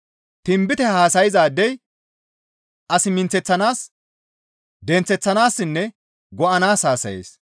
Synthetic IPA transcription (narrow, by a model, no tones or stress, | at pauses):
t̪ɪmbɪt̪ɛhaːsɐjɪzaːd̪ɛj | ɐsɪmɪnt͡sɛt͡sːɐnaːs | d̪ɛnt͡sɛt͡sːɐnaːsːɪnːɛ | ɡɔʔɐnaːshaːsɐ̰jḛːs